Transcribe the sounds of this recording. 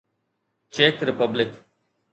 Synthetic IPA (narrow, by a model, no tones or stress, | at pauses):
t͡ʃeːkɾɪpəblɪk